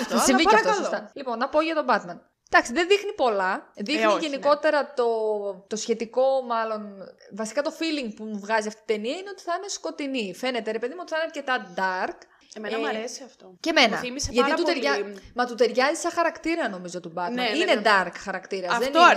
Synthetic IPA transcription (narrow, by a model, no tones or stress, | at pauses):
ɐsiviɐt̪oɐsst̪ɐlipo̞nːɐpo̞ʝɐt̪o̞bɐt̪mɐn | d̪ɐksiðenðixnipo̞lɐðixnniʝe̞niko̞t̪e̞ɾɐt̪o̞t̪o̞sçe̞t̪iko̞mɐlo̞nvɐsi̥kɐt̪o̞filiŋɡ̚pumuvɣɐziɐft̪it̪i̥t̪e̞niɐineo̞t̪i̥θɐine̞sko̞t̪inife̞ne̞t̪e̞ɾe̞pe̞ðimuo̞t̪iθɐnɐɾce̞t̪ɐd̪ɐɾk | emeɐmɐɾesiɐft̪oce̞me̞nɐ̰fimiseʝɐt̪iɐt̪ueɾɐmɐt̪ut̪e̞ɾʝɐzisɐ̃xɐɾɐkt̪iɾɐno̞mizot̪ubɐt̪mɐined̪ɐɾkxɐɾɐkt̪iɾɐzðen